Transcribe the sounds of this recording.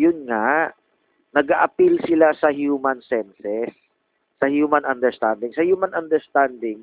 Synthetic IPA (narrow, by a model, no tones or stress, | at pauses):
jʊnŋaʔ | nɐɡaʔɐpilsɪlasɐhjuːmɐnsɛnsɛsː | ɐhjuːmɐnʔɐnd̪ɛɹst̪and̪ɪŋsɐhjuːmanɐnd̪ɛɹst̪and̪ɪŋ